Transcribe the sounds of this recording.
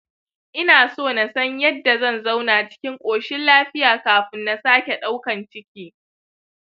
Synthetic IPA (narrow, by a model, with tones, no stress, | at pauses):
ʔɪ˦naː˨soː˦˨na˨sɐ˦ɲjɐ˦dːa˨zɐ˦˨nza˦wnaː˨t͡ʃɪ̥˦kʲɪ˦ŋkʷʼoː˨ʃɪ˦nlaː˦ɸɪ˦jaː˨kaː˨ɸɪ˦nːa˨saː˦kʲe˨ɗa˦wkɐ˨nt͡ʃɪ˦kʲiː˦